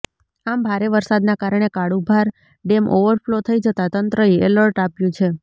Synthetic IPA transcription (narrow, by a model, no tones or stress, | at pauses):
ambʱaɾeʋəɾsad̪nakaɾəɳ̃ekaɽubʱaɾ | ɖemʔoʋəɾflot̪ʰəid͡ʒət̪at̪ənt̪ɾəeɛləɾʈapjũt͡ʃʰe